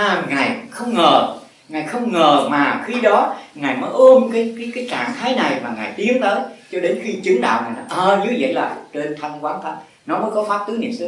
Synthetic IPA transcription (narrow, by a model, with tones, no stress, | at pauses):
ʔaː˨˩ŋaː˨˩jxə˧wŋ͡mŋəː˨˩ | ŋaː˨˩jxə˧wŋ͡mŋəː˨˩maː˨˩xi˧ɗɔ˨˦ŋaː˨˩jməː˨˦jʔə˧mkaː˨˦jkaː˨˦jkaː˨˦jt͡ɕaː˨˩ŋt̪ʰaː˨˦jna˨˩jmaː˨˩ŋaː˨˩jt̪i˨˦əŋt̪əː˨˦jt͡ɕɔ˧ɗe˨˦nxi˧t͡ɕɨ˨˦ŋɗa̰ː˧˨wŋaː˨˩jna˨˦ʔəː˨˩zu˨˦zə̰˧˨jla̰ː˧˨˩t͡ɕe˧nt̪ʰa˧jŋkwaː˨˦nt̪ʰa˨˦˥t̚ | nɔ˨˦məː˨˦jkɔ˨˦faː˦˥p̚t̪ɨ˨˦nḭ˧˩əmsɨ˨˧˦